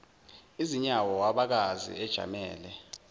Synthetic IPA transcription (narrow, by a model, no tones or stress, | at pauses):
iziɲawɔwaɓak̬azḭɛd̥ʒ̥ʱa̰mɛ̰ːlɛ